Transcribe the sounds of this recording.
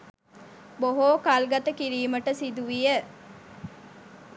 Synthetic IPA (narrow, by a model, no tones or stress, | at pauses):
boɦoːkalɡɐt̪əkiɾiːməʈəsid̪uʋijə